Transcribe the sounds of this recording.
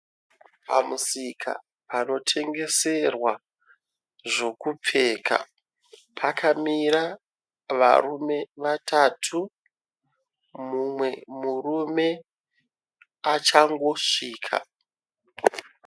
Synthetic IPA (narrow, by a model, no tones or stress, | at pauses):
pa̰musikʰa̰ | pano̞tʰe̞ŋɡe̞se̞rwa | ʐo̞kup͡fe̞ːkʰa̰ | pʰakamiɾa | ʋa̰rume̞ʋatʰatʰu | mumwe̞murume̞ | at͡ʃaŋɡo̞ʂiːkʰa̰